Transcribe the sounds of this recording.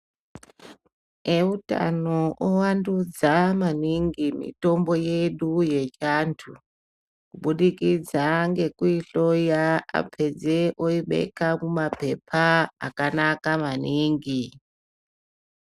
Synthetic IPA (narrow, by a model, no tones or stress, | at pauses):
euta̰noʔowandud͡zamaniŋɡimḭto̞mbo̞jeɗuje̞t͡ʃantʰu | kuɓuɗikid͡zaŋɡe̞kuiɬojaa̰pʰe̞d͡zeʔoiɓe̞̰kamumape̞pʰaa̰kanakamaniːŋɡi